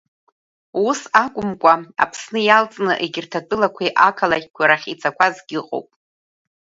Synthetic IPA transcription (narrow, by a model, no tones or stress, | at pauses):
usakʷʼʊmkʷʼaa̰pʰsnɨjalt͡sʼnɨʔeɡʲɪrtʰatʼɨlakʷʰiʔakʰalakʲʼɡʷaɾaχʲit͡sʰakʷʰazɡʲɪqʼo̰wpʼ